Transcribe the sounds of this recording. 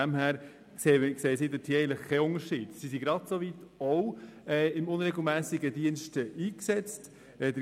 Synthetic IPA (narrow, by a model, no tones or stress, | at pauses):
æmɦæːɾ | kseːkseːəsiːd̪ətʰiːɛɪən̩tləχkːɛʊnəɾʃiːd̥sisiɡɾɑd̪sovitowɛːɪmʊnɾɛɡl̩ˠmæːsɪɡədiənʃtɛʔiːksɛt͡st | ɛdə